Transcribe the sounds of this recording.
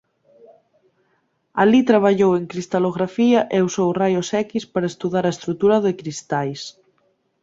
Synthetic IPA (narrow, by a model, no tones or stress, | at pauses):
a̰lit̪ɾaβ̞aʎoweŋkɾist̪aloɣɾafiaʔeusowrajosɛkispaɾaest̪uðaɾaest̪ɾut̪uɾaðekɾist̪ajs